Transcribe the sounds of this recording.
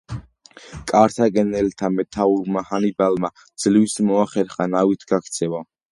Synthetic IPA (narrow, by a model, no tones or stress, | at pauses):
kʼaɾt̪ʰaɡɛnɛlt̪ʰamɛt̪ʰauɾmahanibalma | d̪z̥livismɔaχɛɾχanawit̪ʰɡakʰt̪sʰɛva